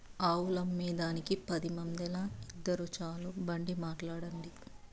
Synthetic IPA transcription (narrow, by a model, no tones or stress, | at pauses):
aːwulɐmːiːd̪aːnikipɐd̪imɐnd̪ɛlaid̪ːɐɾut͡ʃaːlubɐɳɖimaːʈlaːɽɐɳɖi